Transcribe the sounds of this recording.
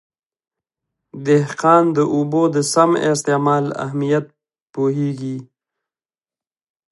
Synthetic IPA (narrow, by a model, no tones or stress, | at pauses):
d̪ɪhqɑːnd̪əʔubod̪əsamɪst̪emɑːla̰hmijat̪̚ | poɦeɡi